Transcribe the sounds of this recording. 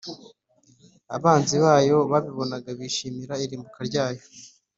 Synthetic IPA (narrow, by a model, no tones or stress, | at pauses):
a̰βaːnziβaːjo̞βaβiβo̞naɡaβiːʃiːmiɾaiɾiːmbukaɾɟaːjo